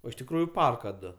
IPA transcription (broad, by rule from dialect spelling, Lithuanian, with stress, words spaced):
ˈoː ɪʃ tʲɪkˈruːjʊ ˈpɐrkɐ ˈdʊ